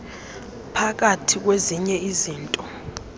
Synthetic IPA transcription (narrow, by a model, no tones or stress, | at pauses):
pʰak̬atʰik̬weziɲɛiziːntʼɔ